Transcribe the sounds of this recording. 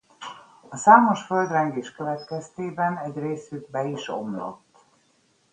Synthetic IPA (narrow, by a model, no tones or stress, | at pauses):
ɒsaːmo̞ʃfø̞ld̪rɛŋɡeːʃkøvɛt̪kɛst̪eːbɛnɛɟreːsyɡ̚bɛiʃo̞̰mlo̞̰t̪ː